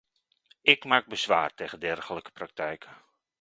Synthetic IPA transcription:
ɪkmaːɡ̚bəzʋa̰ːrteːɣəndɛrχələkə̥prak̚tɛjkʰə

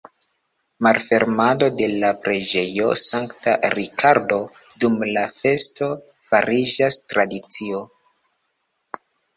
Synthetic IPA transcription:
malfe̞ɾmado̞de̞lapɾe̞d͡ʒe̞jo̞̰saŋkta̰ɾikʰaɾdo̞ | dumlafe̞sto̞ | faɾid͡ʒastɾadit͡sio

